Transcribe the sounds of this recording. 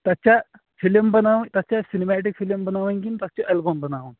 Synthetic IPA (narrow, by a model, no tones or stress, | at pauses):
t̪at͡ɕa | filmbənaʋt̪at͡ɕjasinemæʈ̬ikfiləmbənaʋənkint̪at͡ɕɔʔɛlbonbənaʋən